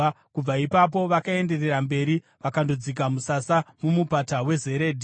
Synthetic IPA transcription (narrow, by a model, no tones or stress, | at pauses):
kub͡vaipap̬o̞ʋakae̞nde̞re̞rambe̞ɾi | ʋakandod͡zik̬amusasamumupatawe̞ze̞ɾeːdʱi